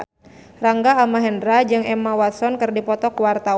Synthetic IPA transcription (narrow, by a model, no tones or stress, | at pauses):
raŋɡaːmaɦɛndɾad͡ʒɨŋɛmawat̪sɔnkɨrdipɔt̪ɔkuwart̪a